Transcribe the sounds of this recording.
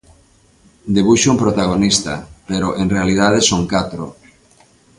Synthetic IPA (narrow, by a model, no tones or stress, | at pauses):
d̪eβ̞uʃʊumpɾot̪aɣ̞onist̪a̰peɾoʔeŋrealið̞að̞esoŋkat̪ɾo̰